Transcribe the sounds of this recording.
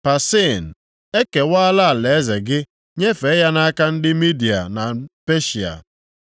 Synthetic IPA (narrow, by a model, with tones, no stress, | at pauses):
pa˨se˦˨n̩˨ | e˦ke˨wa˦la˦˨le˨e˦ze˨ɡɪ˦ | ɲe˦fe˨˦ja˦na˦ka˦n̩˦dɪ˦mi˦di˨a̰˨na˨pe˦ʃi˨a̰˨